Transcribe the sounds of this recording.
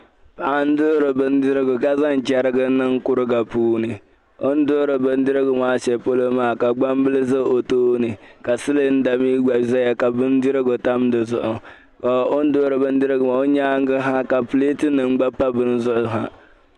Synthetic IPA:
pa˨ʔa˦n̩˦dʊ˦ɾɨ˨bɨ˦n˦dɪ˦ɾɪ˦ɡʊ˨ka˦za˦n˨t͡ʃɛ˦ɾɪ˦ɡɨ˦nɨ˦ŋ˦kʊ˦ɾɨ˦ɡa˨puː˦nɨ˨ | o˦n˦do˦ɾɨ˨bɨ˦n˦dɨ˦ɾɪ˦ɡʊ˨maː˦ʃɛ˨po˦lo˦maː˦˨ka˨ɡ͡ba˦mbɨ˦lɨ˦zɨ˦o˨toː˦nɨ˨ka˨sɨ˦lɨ˦n̩˦da˨miː˦ɡ͡ba˨za˦ja˨ka˨bɨ˦n˦dɨ˦ɾɪ˦ɡʊ˨ta˦mdɨ˨zʊ˨ʔʊ˨ | ka˨ʔo˦n˦do˦ɾɨ˨bɨ˦n˦dɨ˦ɾɪ˦ɡʊ˨ma˨o˦ɲaː˦ŋ˦ɡɨ˦ɦa˦ka˨ple˦tɨ˦nɨ˨ŋ˦ɡ͡ba˦pa˦bɨ˦n˦zʊ˦ʔʊ˦ɦa̰˨

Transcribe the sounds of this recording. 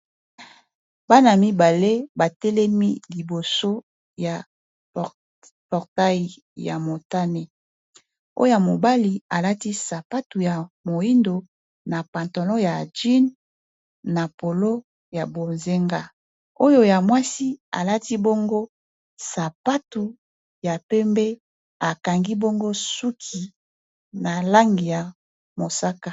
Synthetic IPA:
ba˦na˨mi˦ba˨le˦ba˨tɛ˦lɛ˦mi˦li˨bo˨so˦ | ja˨ | pɔ˨ʁta˦i˨ | ja̰˨mo˨ta˦ne˨ | o̰˦ja˨mo˨ba˦li˨a˨la˦ti˦sa˨pa˦tu˨ja˨mo˨i˦ndo˨ | na˨pã˨nto˨lɔ̃˦ja˨d͡ʒi˦nː | a˨po˨lo˦ | ja˨bo˨nze˦ŋɡa˦ | o˦jo˦ja˨mwa˦si˦a̰˨la˦ti˦bo˦ŋɡo˦ | sa˨pa˦tu˨ | ja˨pɛ˦mbɛ˦ | a˨ka˨ŋɡi˦bo˦ŋɡo˦su˦kʰi˨ | na˨la˦ŋɡi˨ja˨ | mo˨sa˦ka˨

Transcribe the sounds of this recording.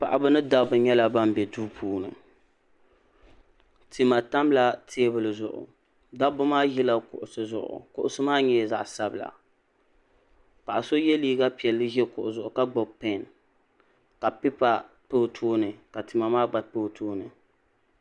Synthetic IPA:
pa˨ʔa˨bɨ˦nɨ˦da˦bʊ˨ɲɛ˦la˨ba˦m˦bɛ˨duː˦pʰuː˦nɨ̰˨ | tʰi˨ma˨ta˦mla˦tʰeː˦bɨ˨lɨ˨zʊ˨ʔʊ̰˨ | da˦bʊ˦maː˦ji˦la˦kʊ̰˨ʔʊ˨sɨ˨zʊ˨ʔʊ̰˨kʊ̰˨ʔʊ˨sɨ˦maː˦ɲɛ˦˨za˦˨ʔsa˦bla̰˨ | pa˨ʔa˨so˦jɛ˦liː˦ɡa˦pi˨ɛ˨lːɨ˦ʒɛ˦kʊ˨ʔʊ˨zʊ˨ʔʊ˨ka˦ɡ͡bo˨pɛ˦˨n | ka˨pɪ˦pa˦ | po˦˨tʰoː˦nɨ˨ka˨ti˨ma˨maː˦ɡ͡ba˨po˦htʰoː˦nɨ˨

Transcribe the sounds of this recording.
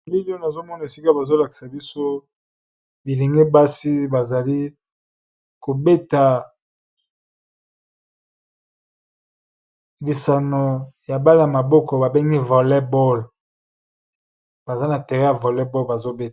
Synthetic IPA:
li˦lo˦na˨zo˦mɔ˦na˨e˨si˦ka˦ba˨zo˦la˨ki̥˨sa˨bi˦so˦ | bi˨li˨ŋɡe˦ba˦si˦ba˨za˨li˦ | ko˨be˦ta˨ | li˨sa˨no˨ja˨ba˦la˨a˨ma˨bɔ˦kɔ˨ba˨be˦ŋɡi˦vɔ˨lɛ˦bɔ˦l | ba˨za˦na˨tɛ˨ʁɛ˦ja˨vɔ˨lɛ˦bɔ˦lba˨zo˦be˦t

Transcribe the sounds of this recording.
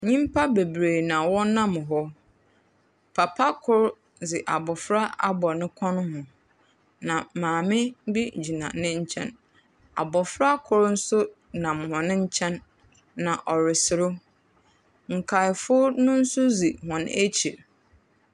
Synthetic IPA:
ɲĩ˦m˦pʰa˦be˨bɾe˨nã˨wɔ˦nã˦m˨ɦɔ˦ | pʰa˨pʰa˦kʰʊ˦ɾ | d͡zɪ˨ʔa˨bɔ˨fɾa˦a̰˦bɔ˨nɪ̃˦kʰɔ̃˦nʊ̃˦hʊ̃˨ | nã˨mãː˨mɪ̃˦bi˦˨d͡ʑi˨nã̰˨nɪ̃˦ɲ̩˦t͡ɕʰɛ̰̃˦n | a̰˨bɔ˨fɾa˦kʰʊ˦ɾn̩˦sʊ˦ | nã˨m˨hɔ̃˨nɪ̃˦ɲ̩˦t͡ɕʰɛ̃˦nː | ã˨ʔɔ˨ɾɪ˨sɪ˨ɾʊ˦ | ŋ̩˨kʰa˨ɪ˨fʊ˦nʊ̃˦n̩˦sʊ˦zi˨hɔ̃˨nḛ˦t͡ɕʰi˨ɾ

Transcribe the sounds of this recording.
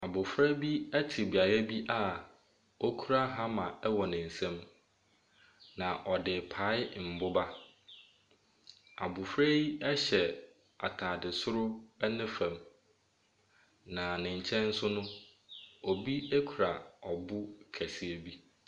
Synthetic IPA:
a˨bʊ˨fɾɛ˦bi˦ɛ˦tʰɪ˨bi˨a˨ɾɛ˦bi˦ʔa˦ | ɔ˦kʰu˦ɾa˦ɦã˦mã˨ɛ˦wɔ˨nɪ̃˨n̩˨sɛ̃˦m | nã˨ʔɔ˨dɪ˨pʰa˨˦ɪ˦m̩˨bʊ˦ba˦ | a̰˨bʊ˨fɾɛ˦jɛ˦ɕɛ˨ | a̰˨tʰaː˨dɪ˨sʊ˦ɾʊ˦ɛ˦nɪ̃˦fã˨m | nã˨nɪ̃˨ɲ̩˨t͡ɕʰɛ̃˦n̩˦sʊ˦nʊ̃˦ | ɔ˨bi˦e˦kʰu˨ɾa˨ɔ˨bʊ˦kʰæ˨si˨e˨bi˦

